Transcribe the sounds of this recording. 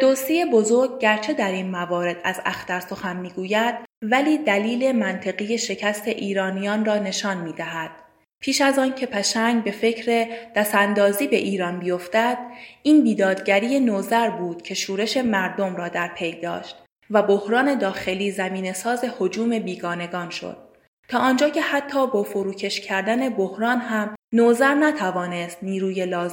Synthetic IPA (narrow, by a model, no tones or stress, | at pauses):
d̪ost̪ijebo̞zo̞ɾɡ̚ɟæɾt͡ʃʰe̞d̪æɾinmævɒːɾe̞d̪̥æzæ̰xt̪æɾso̞xænmiːɡuːjæd̪̥̚væliːd̪æliːle̞mænt̪ʰe̞ɣije̞ʃe̞cʰæst̪ʰe̞ʔiːɾɒːnijɒːnrɒːne̞ʃɒːnmiːd̪æɦæd̪̥̚ | pʰiːʃæzɒːncʰe̞pʰæʃæŋɡbe̞fe̞cʰɾe̞d̪̥æsænd̪ɒːziːbe̞ʔiːɾɒːnbijo̞ft̪æd̪̥iːnbiːd̪ɒːd̪ɟæɾiːjenoːzæɾbuːd̪̥cʰe̞ʃuːɾe̞ʃe̞mæɾd̪o̞mɾɒːd̪æɾpʰe̞jd̪ɒ̰ːʃt̪̚ | væbo̞hɾɒːne̞d̪ɒːxe̞liːzæmiːne̞sɒːze̞ho̞d͡ʒuːme̞biːɡɒːne̞ɡɒːnʃo̰d̪̥̚ | t̪ʰɒːʔɒnd͡ʒɒːcʰe̞hæt̪ʰːɒːbɒːfoɾuːcʰe̞ʃcʰæɾd̪æne̞bohɾɒːnɦæmnoːzæɾnæt̪ʰævɒːne̞st̪niːɾuːje̞lɒːz